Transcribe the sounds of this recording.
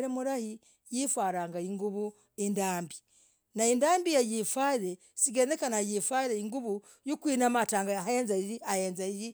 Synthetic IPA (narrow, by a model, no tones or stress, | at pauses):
ɾemuɾahi | jifwaɾaŋɡaiŋɡuβu | endaːmbi | naindaːmbijajifaiɾe | siɡenekanajifaiɾeiŋɡuβu | jukwiːnamataːŋɡaeːnzaiɾiajeːnzaiɾi